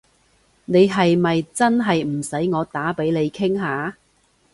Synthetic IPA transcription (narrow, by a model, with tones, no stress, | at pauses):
ne˨˧jɦɐ˨jmɐ˨jt͡sɐ˥nɦɐ˨jm̩˨˩sɐ˨˥jŋɔː˨˧t̪aː˨˥pe˨˥jne˨˧jkʰɪ˥ŋɦaː˨˧